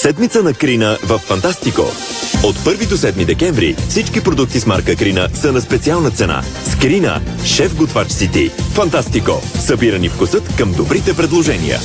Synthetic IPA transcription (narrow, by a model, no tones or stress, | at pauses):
sɛd̪mit̪ənɐkɾinəvəfːɐnt̪ast̪iko̰ | ot̪pɤɾvid̪osɛd̪mid̪ɛkɛɱvɾḭfsit͡ʃkipɾod̪uk̚t̪isma̰ɾkəkɾinəsənɐspɛt̪sialˠnət̪sɛna̰ | skɾinə̰ | ʃɛfɡot̪vat͡ʃsit̪ifɐnt̪ast̪ikosəbiɾənifkʊsɤt̪kəmd̪obɾit̪ɛpɾɛd̪lˠoʒɛnḭjə̰